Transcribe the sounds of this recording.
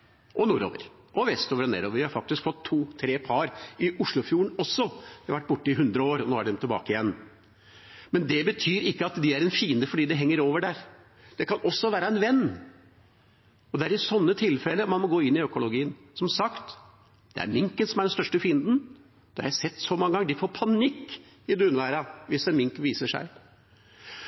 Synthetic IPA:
ʔɔnuːɾo̰ːʋə̰ɾ | ʔɔʋɛst̪oːʋəɾɔnḛːɾoːʋəɾʋɪhɑɾfɑk̚t̪ɪskfɔt̪ʰːuːt̪ʰɾeːpʰɑɾɪʔʊʂɭʊfjuːɾəɳɔsːɔʋɪhɑʋæʈːbʊʈːəɪɦʉnd̪ɾəoːɾɔnoːæɖɛmt̪ʰːɪlbɑ̰ːkəɪjɛnː | mɛnd̪ɛbət̪ʰyːɾɪkːəɑt̪d̪ɪæɾɛnfiːənd̪əfɔɖiːd̪ɛɦɛŋːəɾoːʋəɖæɾ | d̪̥ɛkʰɑnɔsːɔʋæːɾəɛnʋɛnː | ɔd̪ɛæɾɪsɔnːət̪ʰɪlfɛləmɑnmɔɡoːɪnːɪœkʊlʊɡiːən | sɔmsɑkt̪ | d̪̥ɛ̰æ̰ɾmɪŋkənsɔmæɖɛnst̪œʂʈəfiːənd̪n̩ | d̪̥ɛhɑ̰ɾjæɪsɛt̪ːsɔmɑŋːəɡɑŋːəd̪ɪfoːɾpʰɑnɪkː | ɪd̪ʉnəʋæːɾɑʋɪsɛnmɪŋkʋiːsəʂæ̰ɪ

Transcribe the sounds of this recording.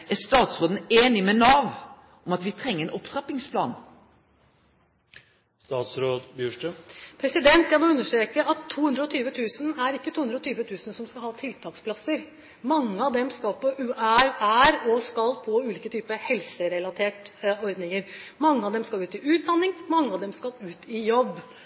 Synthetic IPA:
æɾst̪ɑːt̪sʁoːd̪n̩eːnɪmɛnɑʋ | ɔmɑt̪ʋɪt̪ʰɾɛŋːəɾɛnʔɔpsʁɑpɪŋspʰlɑ̰ːn | st̪ɑːt̪sɾoːd̪bjʉːʂʈəpʰɾɛsɪd̪ɛnt̪jæɪmɔʉnːəʂʈɾeːkəʔɑt̪ʰːuːʉnd̪ɾəɔt̪ʰyːʋət̪ʰʉːsənæɾɪkːət̪ʰuːhʉnd̪ɾɔt̪ʰyːʋət̪ʰʉːsən̩sɔmskɑlhɑːt̪ʰɪlt̪ʰɑːkspʰlɑsəɾ | mɑŋːəɑʋd̪ɛmskɑlpɔʔʉːʔæɾæɾɔskɑlpʰɔʉːliːkət̪ʰyːpəhɛlsəɾɛlɑt̪ʰeːʈɔɾd̪nɪŋəɾmɑŋːəɑʋd̪ɛmskɑlʉːt̪ɪʉːt̪̚d̪ɑnːɪŋmɑŋːəɑʋd̪ɛmskɑlʉːt̪ʰɪjɔb

